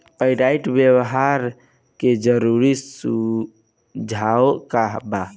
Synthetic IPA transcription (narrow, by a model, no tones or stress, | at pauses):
pəɪɖaiʈbjewɦaɾ | ked͡ʒəɾuɾisu | d͡ʒʱaokaɦba